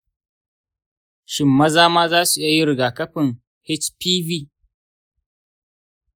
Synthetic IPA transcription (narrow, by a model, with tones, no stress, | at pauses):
ʃɪ˨mːɐ˦zaː˦maː˦zaː˦su˨ʔɪ˦ja˦˨ji˦ɾɪ˨ɡaː˨kɐ˦ɸɪ˨ŋ | hɛ˦t͡ʃpiː˦viː˦˨